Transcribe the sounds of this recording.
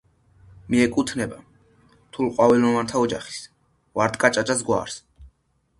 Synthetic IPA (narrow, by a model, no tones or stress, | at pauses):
miɛkʼut̪ʰnɛba | t̪ʰulˠqʼwavilɔvant̪ʰaɔd͡ʒaχi̥s | vaɾd̪kʼat͡ʃʼat͡ʃʼasɡwa̰ːɾs